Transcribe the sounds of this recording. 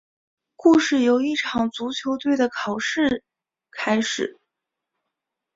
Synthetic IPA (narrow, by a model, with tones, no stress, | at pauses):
ku˥˧ʂɻ̩˥˩jo˧˥ʊi˥˩ʈ͡ʂʰɑ˨˩ŋt͡su˧˥t͡ɕʰjo˧˥ʊt̪we˥˩ɪd̪ə˩kʰɑ˨˩ʊʂɻ̩˥˩ | kʰa˥ɪʂɻ̩˨˩˦